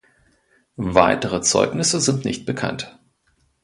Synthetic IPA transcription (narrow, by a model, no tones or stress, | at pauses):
vaɪtəʁ̞ət͡sɔ̰ʏknɪsəzɪntnɪ̰çt̚b̥əkʰa̰nt